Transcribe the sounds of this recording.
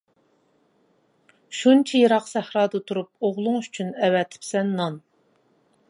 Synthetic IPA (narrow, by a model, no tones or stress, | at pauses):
ʃunt͡ʃʰɛjeɾɑqsæhɾɑːd̪ɨt̪ʰuɾup̚oʁlˠʊŋyt͡ʃʰynɛwɛt̪ʰɪ̥psɛnːɑn